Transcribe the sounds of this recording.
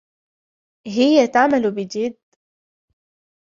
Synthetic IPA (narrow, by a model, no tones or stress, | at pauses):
ɦɪjːat̪aʕmalubɪd͡ʒɪd̪ː